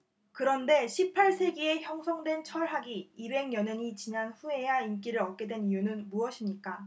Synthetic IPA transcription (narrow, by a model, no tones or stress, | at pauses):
kɯɾʌnde̞ɕʰipʰːaɭsʰe̞ɡie̞çjʌŋsʰʌŋdwe̞nt͡ɕʰʌɭɦaɡiibe̞ŋjʌnɦeɲit͡ɕinanɸue̞jaink͈iɾɯɾʌt̚k͈e̞dwe̞nijunɯnmuʌɕʰimɲik͈a